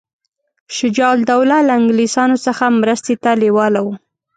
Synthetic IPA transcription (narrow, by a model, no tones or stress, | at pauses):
ʃɪd͡ʒɑld̪awlalaɪŋɡlisɑnosəxamɾəst̪et̪alewɑlawu